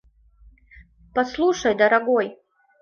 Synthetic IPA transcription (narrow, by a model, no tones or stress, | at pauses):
pɐslˠuʂɐjd̪ɐɾɐɡoj